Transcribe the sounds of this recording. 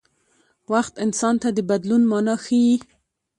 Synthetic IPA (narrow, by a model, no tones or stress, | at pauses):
waxt̪ɪnsɑnt̪ad̪əbad̪lunmɑnɑxəji